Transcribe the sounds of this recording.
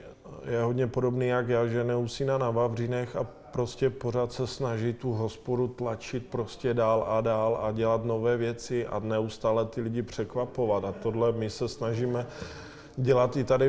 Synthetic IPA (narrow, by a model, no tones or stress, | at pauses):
jɛɦo̞dɲɛpo̞do̞bniːjakjaʒɛnɛusiːnanavavr̝inɛxa | pɾo̞scʲɛpo̞ɾ̝at̪sɛsnaʒɪt̪uɦo̞spodut̪lat͡ʃɪt̪̚pɾo̞scɛdaːladaːlaɟɛlat̪no̞vɛːvjɛt͡sɪʔa̰nɛust̪aːlɛt̪ɪlɪɟɪpr̝̥ɛkvapo̞vat̪at̪odlɛmɪsɛsnaʒiːmɛ | ɟɛlat̪ɪt̪adɪ